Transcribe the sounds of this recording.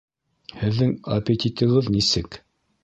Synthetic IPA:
hɘ̆ðːɘŋɐpʲet̪ʲit̪ɤ̆ʁɤðnisɘk

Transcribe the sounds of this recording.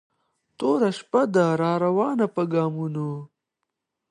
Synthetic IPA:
t̪oːɾɐʃpɐd̪aɾaːɾɐwɑːnɐpɐɡaːmuno

